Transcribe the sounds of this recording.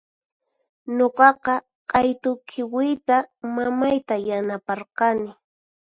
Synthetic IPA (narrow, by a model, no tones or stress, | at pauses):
ɲoqɑqɑ | qʼɑjt̪ʊkʰɪwɪjt̪amamajt̪ajanapɑɾqɑnɪ